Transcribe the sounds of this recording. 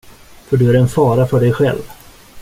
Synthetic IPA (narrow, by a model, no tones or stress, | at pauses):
fœɖɵæɾɛnfɑːɾafœɖɛjɧɛ̰lv